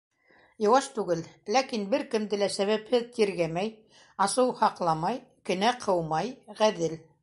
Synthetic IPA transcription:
jŏwɑʃt̪ʉɡɘllækinbɘɾkɘ̆md̪ɘlæsæβæphɘðt̪iɾɡæmæj | ɑsɤwhɑqlˠɑmɑjkɘ̆næqʰɤwmɑjʁæðɘl

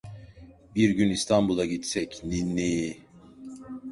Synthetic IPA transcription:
biɾɟynist̪ʰambulˠaɟit̪sɛcninːij

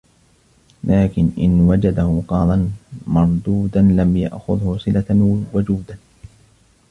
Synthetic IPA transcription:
lʔaːkɪnʔɪnwad͡ʒad̪ahʊqɑːd̪ˤɑnmɑɾˤd̪uːd̪anlamja̰ʔxʊðhʊsˤɨlawʊd͡ʒuːd̪a

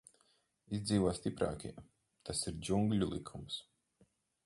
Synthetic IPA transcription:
izd̪ziːvɔːst̪ipɾa̰ːkʲḭ | t̪ʰasiɾd͡ʒuŋɡlʲulˠikʰums

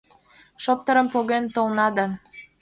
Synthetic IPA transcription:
ʃop̚t̪ə̆ɾəmpoɣent̪olnɑd̪ɑ

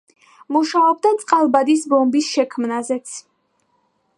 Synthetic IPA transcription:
muʃaɔb̚d̪at̪sʼqʼalˠbad̪isbɔmbisʃɛkʰmnazɛt̪sʰ

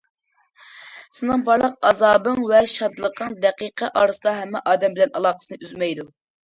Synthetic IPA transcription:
sɨnɨŋbɑɾlˠəq̚ɑzɑːbɨŋvɛʃɑd̪lˠəqəŋd̪ɛqiqʰəʔɑːɾɨsd̪ˠɑɦɛmːɛʔɑːd̪ɛmbɪlɛnɑ̰lˠɑːqə̥sɨnɨyzmɛjd̪u

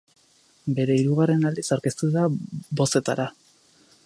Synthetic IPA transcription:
be̞ɾe̞iɾuɣare̞nald̪isaɾkest̪uðabo̞se̞t̪a̰ɾa

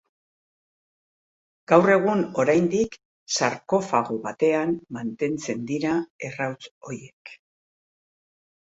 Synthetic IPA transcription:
ɡ̥awre̞ɣ̞uno̞ɾajnd̪ik | saɾko̞faɣo̞βat̪e̞ammant̪e̞nt͡se̞nd̪iɾae̞rawt͡so̞ɾje̞k

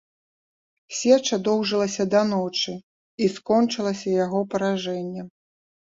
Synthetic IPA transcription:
sʲɛt͡ʂɐd̪ɔwʐɨlˠɐsʲɐd̪ɐnɔt͡ʂɨ | iskɔnt͡ʂɨlˠɐsʲɐjaɣɔpɐɾaʐɛnʲːɛ

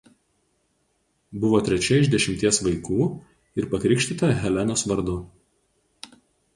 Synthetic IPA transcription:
bʊʋoːt̪ʲɾʲɛt͡ʃʲɛɪʒʲd̪ʲɛʃʲɪmʲt̪ʲiɛsʋɐɪkuː | ɪɾpɐkɾʲɪkʃʲt̪ʲɪt̪ɐɦʲɛlʲænoːsʋɐɾd̪ʊ

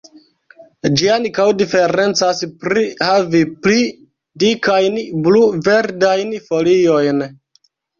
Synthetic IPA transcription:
d͡ʒiankawdife̞ɾe̞nt͡saspɾihavipli | dikajnbluve̞ɾdajnfo̞lio̞jn

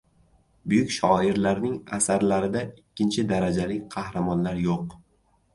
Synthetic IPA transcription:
bʊjʊkʲʃɒɪɾlaɾnɪŋasaɾlaɾɪd̪aɪkʲʰːɪnt͡ʃʰɪd̪aɾad͡ʒalɪqʰɑhɾamɒnlaɾjoq

